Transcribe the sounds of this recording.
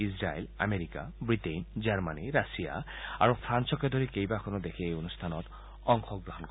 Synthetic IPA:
isɹajla̰meɹika̰bɹitejnd͡ʒaɹmaniɹasija̰a̰ɹupʰɹansɔked̪ʱoɹikejbakʰɔnɔd̪ekʰiejonust̪ʰanɔt | ɔŋxɔɡɹɔɦɔnk

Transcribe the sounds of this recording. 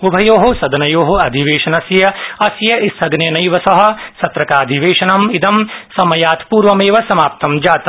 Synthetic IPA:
ubʱɐjoːɦɐsɐd̪ɐnɐjoːɦɐɐd̪ʱiʋeːʃɐnɐsjɐɐsjɐisɐɡneːnɐjʋɐsɐɦɐ̆sɐt̪ɾɐkaːd̪ʱiʋeːʃɐnɐmid̪ɐmsɐmɐjaːt̪puːɾʋɐmeːʋɐsɐmaːp̚t̪ɐmd͡ʒaːt̪

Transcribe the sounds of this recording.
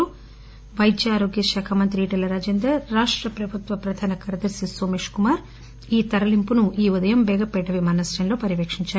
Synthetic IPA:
u | ʋɐjt̪jaːɾoːɡjɐʃɛːkʰɐmɐnt̪̬ɾiiːʈɐlɐɾaːd͡ʒend̪ɐɾːaːʂʈɾɐpɾɐbʱut̪ʋɐpɾɐd̪ʱaːnɐkɐɾɐd̪ɐɾsisoːmeːʂkumaːɾ | iːt̪ɐɾɐlimpunuʔiːud̪ɐjɐmbɛːɡɐpɛʈːɐʋimɐːnɐsɾɐnlo̞ːpɐɾiʋeːkʂiɲt͡ʃaːɾu

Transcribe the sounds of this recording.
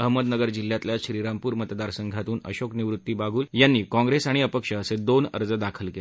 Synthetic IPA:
əɦməd̪nəɡəɾd͡ʑil̤ːjat̪ljaɕɾiɾampuːɾmət̪d̪aɾsəŋɡʱat̪uːnə̰ɕokniʋɾut̪ːiːbaɡʱuːljanːiːkɔ̃ŋɡɾesaɽ̃iəpəkʂəːsed̪onə̰ɾd͡zəd̪akʰəlkele

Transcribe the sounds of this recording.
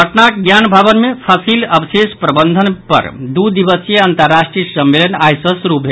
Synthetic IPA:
əʈnakɡjanbʱabənmepʰəsiləbisespɾəbənd̪ʱənpə̰ɾd̪ud̪iʋəsjəənt̪əɾːasʈɾisəmːelənajsəsɾupɦe

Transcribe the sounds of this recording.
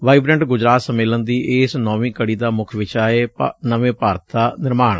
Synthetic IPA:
ʋaːibɾɛːɳʈɡʊd͡ʒɾaːt̪səmeːlənd̪iːʔeːsnɔːʋĩːkəɽiːd̪aːmʊkʰʋɪt͡ʃaːeːpːnəʋẽːpaːɾət̪ʰd̪aːnɪɾmaːɳ

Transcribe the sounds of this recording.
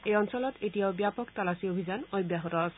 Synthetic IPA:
ejɔnsɔlɔt̪etijaobjapɔkt̪alasiobʱid͡ʑanɔjbjaɦot̪ɔasʰ

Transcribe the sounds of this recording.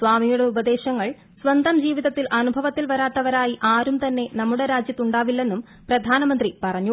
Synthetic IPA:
sʋaːmijuɽe̞ubɐd̪e̞ːɕɐŋːɐɭ | sʋɐnd̪ʱɐmd͡ʑiːʋiðɐt̪ːilʔɐnubʱɐʋɐt̪ːilʋɐɾaːt̪ːɐʋɐɾaːjiʔaːɾumt̪ɐnːe̞nɐmːuɽe̞ɾaːd͡ʑjɐt̪ːuɳɖaːʋilːe̞nːum | prɐd̪ʱaːnɐmɐnd̪ripɐrɐɲːu

